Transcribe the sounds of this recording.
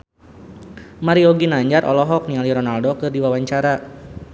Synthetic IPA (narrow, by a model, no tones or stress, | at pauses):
maɾiɔɡinaɲd͡ʒarʔɔ̰lɔɦɔk̚nialiɾɔnaldokɨrdiwawaɲt͡ʃaɾa